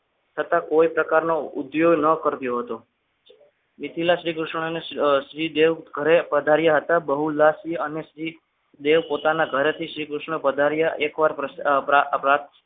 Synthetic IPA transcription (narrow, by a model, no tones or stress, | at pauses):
t͡ʃʰət̪ãkoipɾəkaɾnoʊ̰d̪joɡnəkəɾt̪joɦət̪o | mɪt̪ʰilaʃɾikɾʊʃɳəneʃɾid̪eʋɡʱəɾepəd̪ʱaɾjaɦət̪abəɦulːaʃɾiəneʃɾi | d̪eʋpot̪anaɡʱəɾet̪ʰiʃɾikɾʊʃɳəpəd̪ʱaɾjaʔekʋaɾpəppɾat̪